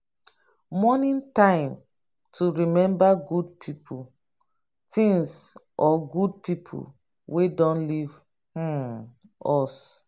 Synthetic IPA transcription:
mɔnĩntãɪ̃m | tʰuɹimɛ̃mbaɡudpʰipʰu | tĩŋs | ʔɔɡud̚pʰipʰṵ | wedɔ̃nliv | h | ɔs

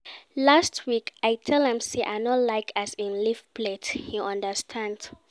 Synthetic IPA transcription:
lastʰwikajtʰɛlɛ̃msiʔa̰ɪnɔtlaɪkʰasĩnlifplethiʔãndəstʰãnd̥

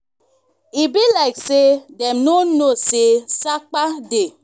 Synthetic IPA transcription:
ibilaɪksedemnonosesak͡pade

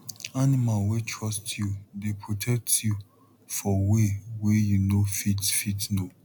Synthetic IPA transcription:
animalwetʰɹɔstʰjudepʰɹotʰɛk̚tju | fɔwewejunofitfitno

